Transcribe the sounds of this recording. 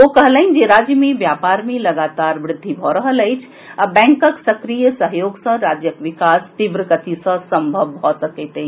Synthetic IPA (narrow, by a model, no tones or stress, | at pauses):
okəɦlaɦɪnd͡ʒeɾad͡ʒjəmeʋjapaɾmelɐɡaːt̪aɾʋɾɪd̪ʱːibʱɔɾəɦələjt͡ʃʰ | abɛ̃ŋkəksɐkɾijəsəɦjoːɡsə̃ɾaːd͡ʒjəkʋɪkast̪iʋɾəɡət̪isə̃səmbʱəʋːʱɔːt̪ət̪et̪e